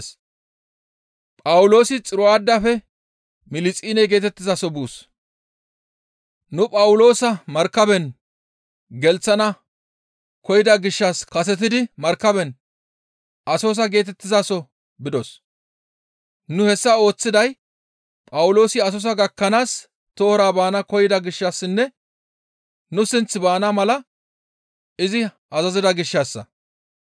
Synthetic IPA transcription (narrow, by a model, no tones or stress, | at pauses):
s | pʼɐwlo̞ːsɪt͡sʼɪɾɔaːd̪ːɐfɛ | mɪlɪt͡sʼiːnɛjɡe̞ːt̪ɛt̪ːɪzasɔbuːs | nʊpʼɐwʊlo̞ːsɐmɐɾkːɐbɛn | ɡɛlt͡sːɐnɐ | kɔjɪd̪ɐɡɪʃːɐskɐs̬ɛt̪̬ɪd̪ɪmɐɾkːɐbɛn | ɐso̞ːs̬ɐɡe̞ːt̪ɛt̪ːɪzasɔ | bɪd̪ɔs | nʊhɛsːɐo̞ːt͡sːɪd̪ɐj | pʼɐwʊlo̞ːsɪɐs̬ɔs̬ɐɡɐkːɐnaːs | t̪o̞ːɾaːbaːnɐkɔjɪd̪ɐɡɪʃːasːɪnːɛ | nʊsɪnt͡sːɪbaːnamɐlɐ | ɪzɪ | ɐzɐzɪd̪ɐɡɪʃːaːsːɐ̰